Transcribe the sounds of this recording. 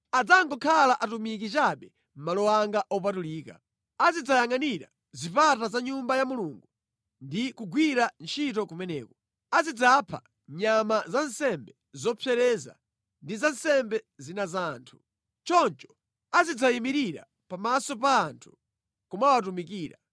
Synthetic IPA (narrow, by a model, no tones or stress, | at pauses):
ad͡zaŋɡɔkʰalaʔatumik̬it͡ʃaɓɛ | m̩malɔwaŋɡaʔɔp̬atuliːka | azid͡zajaŋaniɾa̰ | zipatazaɲumbajamuluŋɡu | ndikuɡwiɾant͡ʃʰitɔkumɛnɛːkɔ | azid͡zapʰa̰ | ɲamazansɛmbɛ | zɔpʰɛɾɛza̰ | ndizan̩sɛmbɛzinazaːntʰu̥ | t͡ʃɔnt͡ʃɔ̥ | azid͡zajimiɾiɾa̰ | pamasɔpaːntʰu̥ | kɔmawatumikiːɾa